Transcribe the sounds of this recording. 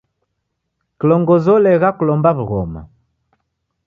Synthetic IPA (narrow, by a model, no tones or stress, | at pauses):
kilɔŋɡɔzɔlɛɣakulɔmbaβuɣɔ̰ma̰